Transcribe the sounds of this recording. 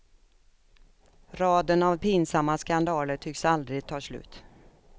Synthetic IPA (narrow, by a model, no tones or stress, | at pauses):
ɾɑːd̪ənavpɪnsamːaskand̪ɑːləʈʰʏksald̪ɾɪɡ̚t̪ʰɑːslʉ̟̰ːt̪